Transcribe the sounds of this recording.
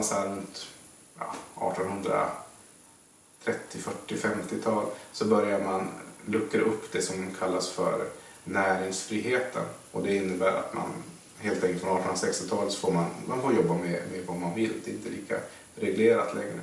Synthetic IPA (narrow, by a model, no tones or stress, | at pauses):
ansɛnt̪ | jɑ̰ʔɑ̰ːʈɔnhɵnd̪ɾa̰ | t̪ʰɾɛt̪ːɪfœʈːɪfɛmt̪ɪt̪ʰɑːlsɔbœɾjaɾmanlɵkːəɾʔɵpːd̪ɛsɔmkʰalːasfœ̰ɾ | næːɾɪŋsfɾiːɦeːt̪ʰə̰nɔd̪ɛɪnːəbæːɾa̰t̪ma̰n | ɦeːlt̪ʰɛ̃ŋklt̪fɾɔnɑːʈʰɔnɾasɛkst̪ɪt̪ʰɑːlət̪sɔ̥foːɾmanmanfoːɾjɔbːamɛmɛvamanvɪlːd̪ɛɪnt̪əliːka̰ | ɾɛɡleːɾat̪lɛŋɾə̰